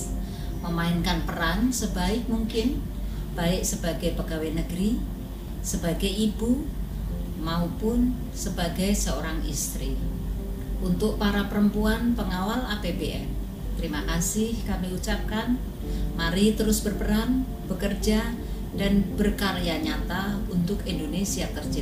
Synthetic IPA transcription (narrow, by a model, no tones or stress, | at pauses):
məmaɪnkanpəɾansəbaɪk̚muŋkɪn | b̥aɪʔsəb̥aɡajpəɡawenəɡəɾi | səbaɡɛjib̥u | maupʊn | səbaɡajsəoɾaŋḭst̪ɾi | ʔunt̪ʊʔpaɾapəɾəmpuanpəŋawalapebeʔɛn | t̪əɾimakasɪhkamiut͡ʃap̚kan | maɾit̪əɾʊsb̥ərpəɾan | b̥əkərd͡ʒa | danb̥ərkaɾjaɲat̪aunt̪ʊkindonesiat̪ərd͡ʒa